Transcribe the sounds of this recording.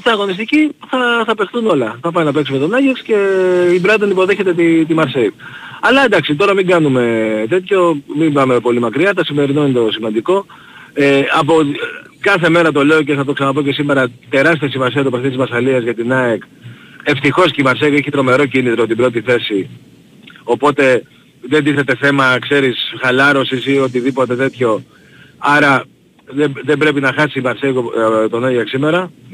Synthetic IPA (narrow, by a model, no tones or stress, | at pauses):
t̪iɐɣo̞nist̪iciθɐθɐpe̞xθuno̞lɐθɐpɐjnɐpe̞ksume̞t̪o̞nɐʝɐksce̞ibɾɐðonipo̞ðe̞çe̞t̪e̞t̪it̪imɐɾseiv | ɐlɐend̪ɐksit̪o̞ɾɐmiŋɡɐnume̞t̪e̞t̪ço̞mimbɐmepo̞limɐkɾiɐt̪ɐsime̞ɾino̞inet̪o̞simɐnd̪iko̞ | eɐpoikɐθe̞me̞ɾɐt̪̬o̞le̞o̞ce̞θɐt̪o̞ksɐnɐp̬o̞ce̞sime̞ɾɐt̪e̞ɾɐs̬t̪iɐsimɐsiɐt̪opɾoθit̪izmɐsɐliɐzʝɐt̪inɐeke̞ft̪ixo̞scimɐɾseɣoeçit̪ɾo̞me̞ɾo̞cinit̪ɾot̪ibɾo̞t̪iθe̞si | o̞po̞t̪e̞ | ðe̞nd̪iθe̞t̪e̞θe̞mɐkse̞ɾisxɐlɐɾo̞sisio̞t̪̬iðipo̞t̪e̞t̪e̞t̪ço̞ | ɐɾɐ | ðeðe̞bɾe̞pinɐxɐsiːmɐɾseɣot̪o̞noʝɐksime̞ɾɐ